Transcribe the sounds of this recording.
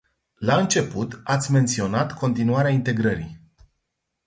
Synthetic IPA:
laɨnt͡ʃe̞put̪at̪sʲme̞nt̪sio̞nat̪kʰo̞nt̪inuaɾeaint̪e̞ɡɾəɾḭ

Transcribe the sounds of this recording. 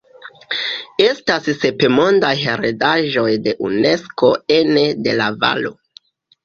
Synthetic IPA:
e̞stasse̞pemo̞ndajheɾedaʒo̞jde̞ʔune̞sko̞enede̞lava̰lo̞̰

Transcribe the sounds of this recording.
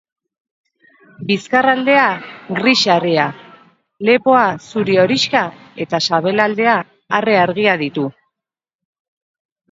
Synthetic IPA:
biskarald̪e̞aɣriʃaria | le̞po̞asuɾio̞ɾiʃka | e̞t̪asaβe̞lald̪e̞aː | re̞aɾɣiaðit̪u

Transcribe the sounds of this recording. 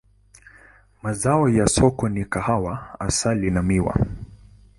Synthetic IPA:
mazaɔjasɔkɔnikahawaasalinamiwa̰

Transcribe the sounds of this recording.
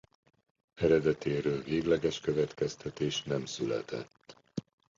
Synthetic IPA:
ɛɾɛd̪ɛt̪eːɾøːlveːɡlɛɡɛʃkøvɛt̪kɛst̪ɛt̪eːʃnɛmsylɛ̰t̪ʰɛ̰t̪ː

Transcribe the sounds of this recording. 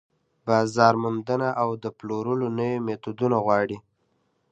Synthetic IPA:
bɑzɑɾmʊnd̪ənaʔawd̪əploɾəlonəwimet̪od̪unaɣwɑɽi

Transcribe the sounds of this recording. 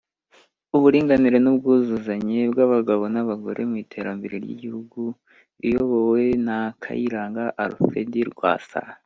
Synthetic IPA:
uβuɾiːŋɡaniɾe̞nubɡuːzuzaɲe̞bɡaβaɡaβo̞naβaɡo̞̰ɾʔe̞mŋiːtʰe̞ɾambe̞ɾeɾjḭɟihuɡu | ijo̞βowe̞nakʰa̰jiɾaːŋɡaʔaɾfḛdiɾɡwa̰ːsa̰

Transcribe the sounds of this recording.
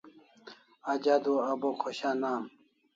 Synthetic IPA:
ɐd͡ʑad̪uɐbokʰoɕanaːm

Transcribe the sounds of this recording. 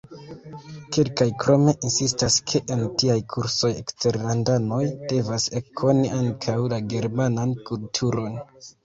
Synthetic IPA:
ke̞lkajkɾo̞me̞ʔinsistaskʰe̞ʔentiajkʰuɾso̞je̞̰kste̞ɾlandano̞jd̥e̞vasekʰːo̞niʔaŋkʰawlaɡe̞ɾmanankultʰuɾo̞n

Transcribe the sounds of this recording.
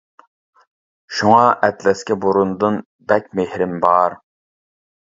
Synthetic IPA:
ʃuŋɑʔɛt̪lɛskʲɛbuɾund̪ɨn | bɛk̚ʲmehɾɪmbɑɾ

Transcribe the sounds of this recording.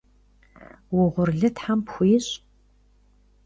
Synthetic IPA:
wʊʁʷʊrɮɨtħampxʷʊjɕʼ

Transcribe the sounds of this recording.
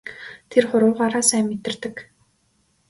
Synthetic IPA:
t̪ʰerχʊɾʊːɢaɾaːsæːmːet̪ɪ̆rt̪ɘ̆k

